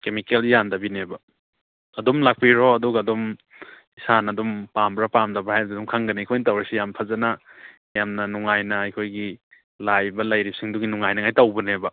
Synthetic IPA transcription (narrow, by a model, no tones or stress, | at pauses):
kemikeljandɐbinebɐ | ɐdumlak̚piɾoɐduɡaːdum | isanɐdumpambɾapamdɐbahajduŋkʰaŋɡɐnikʰojnitawɾɐsijampʰɐzɐnɐ | jamnɐnuŋajnɐɐjkʰojɡi | lajbɐlɐjɾip̚siŋduɡinuŋajnɐŋajtawbɐnebɐ